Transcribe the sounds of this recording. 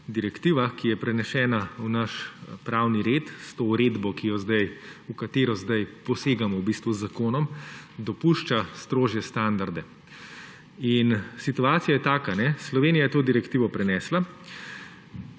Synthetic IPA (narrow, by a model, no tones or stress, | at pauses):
d̪iɾɛkt̪iːʋakijɛpɾɛnɛʃɛːnaunaʃpɾawniɾeːt̪st̪oːuɾed̪bɔkijɔzd̪ajukat̪eːɾɔzd̪ajpɔseːɡamɔwbist̪ʋuzːakoːnɔmd̪ɔpuʃt͡ʃast̪ɾoːʒjɛst̪and̪aɾd̪ɛ | insit̪uaːt̪sijajɛt̪aːkanɛslɔʋeːnijajɛt̪oːd̪iɾɛkt̪iːʋɔpɾɛnɛːsla